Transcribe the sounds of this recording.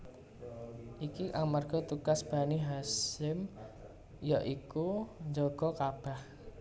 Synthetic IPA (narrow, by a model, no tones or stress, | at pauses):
ʔikiʔaŋmarɡ̥ɔ̤t̪ukasb̥a̤niɦasɪm | jɔʔikuɲd͡ʒɔɡ̥ɔ̤kab̥a̤h